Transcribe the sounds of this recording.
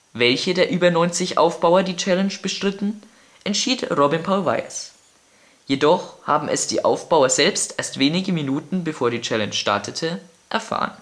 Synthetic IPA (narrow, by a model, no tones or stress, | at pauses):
vɛlçədeːɐʔyːbɐnɔʏnt͡sɪçʔa̰ʊfb̥aʊɐdiːt͡ʃɛlɛnʃb̥əʃtʁ̥ɪtn̩ | ʔɛntʃiːtʁɔbɪnpʰaʊlva̰ɪɐ̰s | jedɔχha̰ːbm̩ʔɛ̰sd̥ḭːʔa̰ʊfb̥aʊɐzɛlpstʔeːɐstv̥eːnɪɡəminuːtn̩bəfoːɐdiːt͡ʃɛlɛnt͡ʃʃta̰ɐtʰətʰə | ʔɛɐfa̰ːʁən